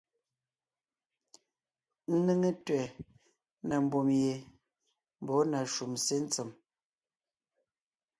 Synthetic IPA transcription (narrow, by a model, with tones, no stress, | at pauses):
n̩˦ne˦ŋe˦twɛ˨ | na˨m̩˨bo˨mje˨ | m̩˦bɔ˨˦na˨ʃu˨mse˦n̩˦t͡se˨m